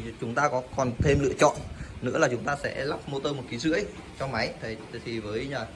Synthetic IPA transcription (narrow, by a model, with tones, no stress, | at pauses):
t͡ɕʊ˨˦ŋ͡mt̪aː˧kɔ˨˦kɔ˨˩nt̪ʰe˧mlɨ̰˧ət͡ɕɔ̰˧˨nnɨ̰˧˥laː˨˩t͡ɕʊ˨˦ŋ͡mt̪aː˧sɛ̰˧˥laː˦˥p̚mo˧t̪əː˧mo˨˩t̚ki˨˦zɨ̰˧˥əj | t͡ɕɔ˧ma˨˦jt̪ʰə˨˩˨t̪ʰi˨˩vəː˨˦jɲaː˨˩